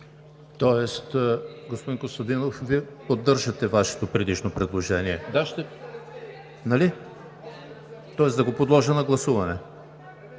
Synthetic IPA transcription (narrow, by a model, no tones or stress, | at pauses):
t̪ɔɛst̪ɡospod̪inkost̪ɐd̪inofviɛpod̪ːɤɾʒɐt̪ɛvaʃɛ̥t̪opɾɛd̪iʃnopɾɛd̪lˠoʒɛniɛd̪aʃt̪ɛ | nɐli | t̪ɔɛsd̪ɐɡopod̪lˠɔʒənɐɡlˠɐsuvɐnɛ